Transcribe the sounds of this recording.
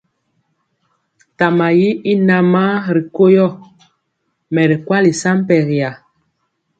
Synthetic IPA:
ta˨ma˨ji˦i˦na˨ma˦ɾi˨ko˦jɔ˦˨ | mɛ˨ɾi˨kwa˦li˨sa˦m˦pɛ˨ɾi˨ja˨

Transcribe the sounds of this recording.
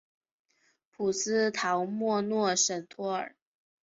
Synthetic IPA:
pʰu˨˩sɹ̩˥t̪ʰɑ˧˥ʊmwɔ˥˧nwɔ˥˩ʂə˨˩ŋt̪ʰwɔ˥ə̰˞˨˩˦

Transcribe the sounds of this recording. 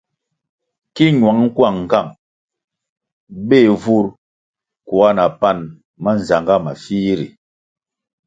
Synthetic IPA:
ki˦ɲwa˨˦ŋŋ̩˦kwa˦˨ŋ̩˨ka˦˨ŋ | be˦˨vu˦ɾ | kwa˦na˨pa˦˨n | ma˦n̩˨za˨ŋɡa˦ma̰˨fiː˦ɾḭ˨

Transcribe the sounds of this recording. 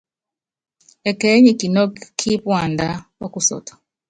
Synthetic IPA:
ɛ˨kɛ˨˦ɲi˦˨ki˨nɔ˦kkʰːi˦pwa˨nda˦o˦ku˦sɔ̰˨tʰɔ̥˨

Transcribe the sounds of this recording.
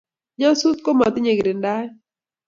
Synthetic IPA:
ɲɔ˦su˦t̪ko˦mɔ˨t̪ɪ˦ɲe˨ɡɾe˨nda˦

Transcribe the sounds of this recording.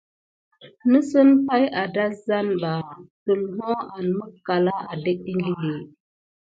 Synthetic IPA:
nə˦sə˦npa˦ja˨da˦za˦nɓa˨tu˨lɦo˦a˨nmə˦kːa˨la˦a˨de˦kɗi˦ŋɡi˦li˨

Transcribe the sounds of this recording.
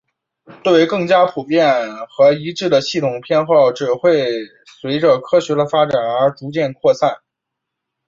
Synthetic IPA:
t̪we˥˩˧ɪkɤ˥˩ŋt͡ɕja˥pʰu˨˩pjɛ˥˩nxɤ˧˥i˧˥ʈ͡ʂɻ̩˥˩d̪ə˩ɕi˥˩t̪ʰʊ˨˩ŋpʰjɛ˥˧nxo˥˩ʊʈ͡ʂɻ̩˨˩xwe˥˩ɪ | swe˧˥ɪʈ͡ʂə˧kʰɤ˥ɕɥɛ˧˥d̪ə˧fa˥ʈ͡ʂa˨˩nə˞˧˥ʈ͡ʂu˧˥t͡ɕjɛ˥˧nkʰwɔ˥˧sa˥˩n

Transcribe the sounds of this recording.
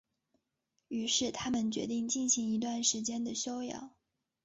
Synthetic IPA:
y˧˥ʂɻ̩˥˩t̪ʰa˥mə˨nt͡ɕɥɛ̰˧˥t̪i˥˧ŋt͡ɕi˥˩nɕi˧˥ŋi˧˥t̪wa˥˩nʂɻ̩˧˥t͡ɕjɛ˥nd̪ə˨ɕjo˥ʊjɑ̰˨˩˦ʊ

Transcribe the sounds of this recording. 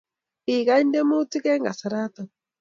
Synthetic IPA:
i˨ɣa˦nde˦mo˦ti˦kɛ˦ŋɡa˨sa˨ɾa˦t̪a˨

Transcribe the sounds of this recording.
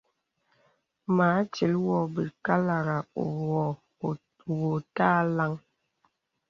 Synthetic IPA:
ma˨˦t͡ʃi˨˦lwɔ˨bi˨ka˦la˨ɾa˨o˨wɔ˨ | wo˨ta˦la˦ŋ

